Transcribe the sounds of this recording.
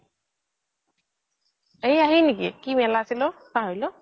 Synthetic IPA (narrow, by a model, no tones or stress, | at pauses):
ejaɦinikḭkimɛlasilɔ | paɦɔjlɔ